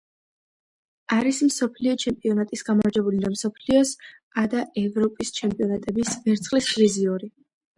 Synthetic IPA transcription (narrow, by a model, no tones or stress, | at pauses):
aɾismsɔpʰliɔt͡ʃʰɛmpʼiɔnat̪ʼisɡamaɾd͡ʒɛbulid̪amsɔpʰliɔs | ad̪aʔɛvɾɔpʼist͡ʃʰɛmpʼiɔnat̪ʼɛbisvɛɾt̪sʰχlisviziuɾi